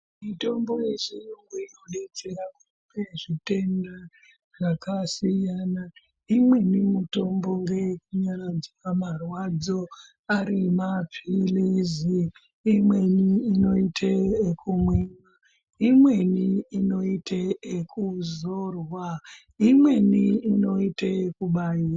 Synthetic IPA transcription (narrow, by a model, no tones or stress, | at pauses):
mito̞mbo̞jeʐijoŋɡuinoɗet͡se̞ɾaku | peʐite̞nda | ʐakasijana | imwe̞nimuto̞mbo̞ŋɡe̞k̚uɲaɾad͡ziwamarwad͡zo | aɾimapiliziː | mwe̞niːno̞itʰeekumwima | imwe̞niino̞itʰeekʰuzorwa | imwe̞niino̞iteekuɓaiːra